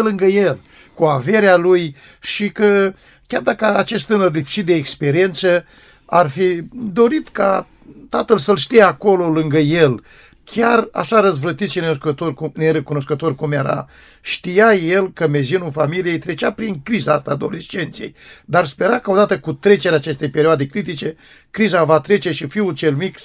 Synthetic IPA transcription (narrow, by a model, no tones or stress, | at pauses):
lɨŋɡəjel | kuave̞ɾealuj | ʃikə | kʲard̪akəat͡ʃe̞st̪t̪ɨnərlifi̥ʃit̪̚d̪e̞ːkspe̞ɾie̞nt̪sə | arfid̪o̞ɾit̪ka | t̪at̪əlsəlʃt̪ijeako̞lo̞lɨŋɡəjel | kʲara̰ʃaɾəzvlət̪it̪ʃinekət̪orkuneɾekuno̞skət̪o̞rkumjeɾa̰ | ʃt̪ijaje̞lkəme̞ziunulfamilije̞jt̪ɾe̞t͡ʃapɾiŋkɾizaast̪aːd̪o̞̰lest͡ʃe̞nt̪siḛjd̪arspe̞ɾakaod̪at̪əkut̪ɾe̞t͡ʃeɾeaːt͡ʃe̞st̪e̞jpe̞ɾioad̪e̞kɾit̪it͡ʃe̞ | kɾizavat̪ɾe̞t͡ʃe̞ʃifiult͡ʃe̞lmik